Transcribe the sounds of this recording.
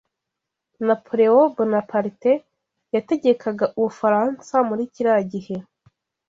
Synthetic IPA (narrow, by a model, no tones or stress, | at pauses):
napʰoɾe̞obonapaɾite | jate̞ɟekʰaɡaʔuβufaɾaːnsamuɾiciɾaɟihe̞